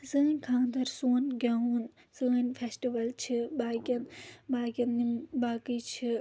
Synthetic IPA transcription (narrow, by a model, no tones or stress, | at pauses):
sɨːnʲkʰãːnd̪ɐɾsuːnɡʲɐun | sɨːnʲfʰesʈiʋɐlt͡ʃʰɨbaːkʲɐnbaːkʲɐnnimbaːkɨjt͡ʃʰɨ